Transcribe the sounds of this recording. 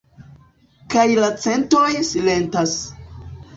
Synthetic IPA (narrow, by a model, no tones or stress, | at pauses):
kajlat͡se̞ntɾojsile̞ntas